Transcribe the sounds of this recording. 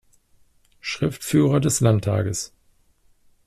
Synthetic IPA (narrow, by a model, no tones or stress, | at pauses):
ʃʁ̥ɪftfyːʁɐdɛslantʰa̰ːɡəs